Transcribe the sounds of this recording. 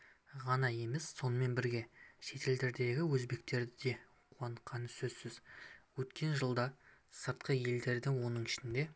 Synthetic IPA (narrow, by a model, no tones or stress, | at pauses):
ʁɑnɑje̞mesːo̞nəme̞nbɪɾɡʲe̞ʃe̞t̪ʰe̞ld̪e̞ɾd̪e̞ɡʲɪwɵzbe̞k̚t̪e̞ɾd̪ɪd̪e̞ | qʰuɑɴqʰɑnəsɵzsɪzwɵt̪kʲʰe̞nʒəlˠd̪ɑsəɾt̪qəje̞ld̪e̞ɾd̪ɪwo̞nəɴɪʃɪnd̪e̞